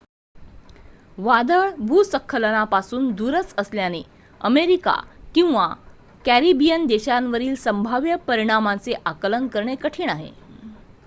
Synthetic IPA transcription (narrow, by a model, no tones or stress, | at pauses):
ʋad̪əɭbʱuːsəkʰːələnapasuːnd̪uɾət͡səsljane | ə̰meɾika̰kĩw̃ʋa | kæɾibijənd̪eɕanʋəɾiːlsəmbʱaʋjəpəɾiɽ̃amat͡seʔakələnkəɾɳekəʈʰiːɳaɦḛ